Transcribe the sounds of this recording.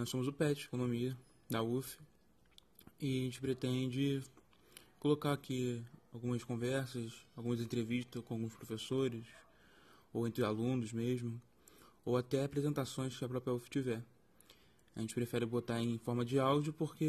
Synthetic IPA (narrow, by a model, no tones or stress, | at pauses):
nɔsõmʊzʊpɛt͡ʃɪekõnõmiɐ | d̪ɐufɪ̥ | ɪʒẽnt͡ʃɪpɾet̪ẽd͡ʒɪ | kolokaɾakʰiawɡũmɐskõvɛɾsɐsawɡũmɐzẽnt̪ɾeviʃt̪ɐkõawɡũspɾofesoɾɪs | owẽnt̪ɾɪalũnʊzmeʒmʊ | owat̪ɛapɾezẽnt̪asõj̃skɪɐpɾɔpɾiɐufɪ̥t͡ʃivɛ | aʒẽt͡ʃɪpɾefɛɾɪbot̪aɾẽj̃fɔɾmɐd͡ʒɪawd͡ʒʊpoχke